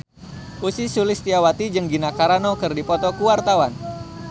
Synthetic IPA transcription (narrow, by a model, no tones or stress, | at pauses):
ʔusisulɪst̪iawat̪id͡ʒɨŋɡinakaɾanokɨrdipɔt̪ɔkuwart̪awan